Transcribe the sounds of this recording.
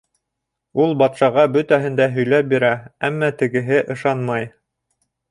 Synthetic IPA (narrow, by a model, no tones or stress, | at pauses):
ulˠbɑt̪ʃɑʁɑbɵt̪æɦɘ̆nd̪æɦɵ̆jlæp̚biɾææmːæt̪ɘ̆ɡɘ̆ɦɘʔɤ̆ʃɑnmɑj